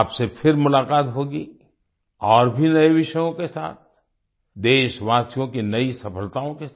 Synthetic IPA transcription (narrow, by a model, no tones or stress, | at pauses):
psepʰɪɾmʊlaːkaːt̪ɦoːɡi | ɔːɾbʱinɐeʋɪʃəjõkesa̰ːt̪̚ʰ | d̪eːʃʋaːsijõkinɐisɐpəlt̪aːõkes